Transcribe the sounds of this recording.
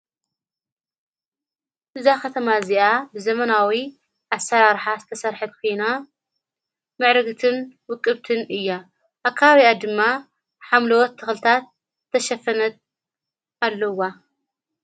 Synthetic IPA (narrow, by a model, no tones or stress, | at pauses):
ʔɨzakɐt̪ʰɐmaziʔabɨzɐmɐnawi | ʔasɐɾaɾħazɨt̪ʰɐsɐɾħɨt̪kʰojna | mɨʕɾɨɡt̪ʰɨnwɨkʼːɨβt̪ʰɨnʔɨjːa | ʔakʰːaβaβiad̪ɨmːa | ħamlɐwɔt̪ʰːɨxlɨt̪ʰat̪̚ʰː | ɐʃɐfɐnɐt̪̚ | ʔalːɐwa